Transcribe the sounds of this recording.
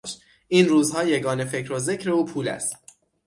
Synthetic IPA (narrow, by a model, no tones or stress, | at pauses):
ʃt̪ | ʔiːnruːzhɒːjeɡɒːne̞fe̞cʰɾoze̞cʰɾe̞uːpʰuːlæ̰st̪̚